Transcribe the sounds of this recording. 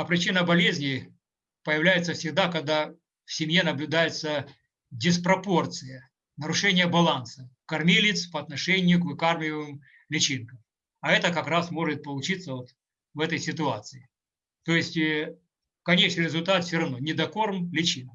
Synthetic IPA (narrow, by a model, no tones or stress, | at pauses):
ɐpɾʲɪt͡ɕinəbɐlʲezʲnʲɪ | pəjɪvlʲæjɪt̪səfsʲɪɡd̪akɐɡ̚d̪a | fsʲɪmʲjenəblʲʊd̪ajɪt̪sə | dʲɪspɾɐpo̞rt̪sɨjə | nəɾʊʂɛnʲɪjəbɐlˠansəkɐrmʲilʲɪt̪spɐːt̪nɐʂɛnʲɪjʊkvɨkarmʲɪvɨm | lʲɪt͡ɕinkəm | ɐɛt̪əkɐkɾasmo̞ʐɨt̪̚pəlˠʊt͡ɕit̪sːəvot̪ | vɛt̪əjsʲɪt̪ʊat̪sɨɪ | t̪o̞jɪsʲtʲ | kɐnʲet͡ɕnɨɪɾʲɪzʊlʲt̪at̪fsʲoɾɐvno̞nʲɪd̪ɐko̞rmlʲɪt͡ɕin